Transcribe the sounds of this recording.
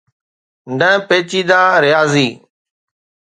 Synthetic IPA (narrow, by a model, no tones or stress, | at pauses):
ɖə̃peːt͡ʃiːd̪aːɾɪjaːziː